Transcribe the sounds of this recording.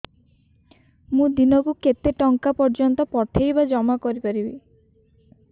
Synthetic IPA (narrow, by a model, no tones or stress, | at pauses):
mũd̪inɔkuket̪eʈɔŋkapɔɾd͡ʒɔnt̪ɔpɔt̪ʰejbad͡ʒɔmakɔɾipaɾibi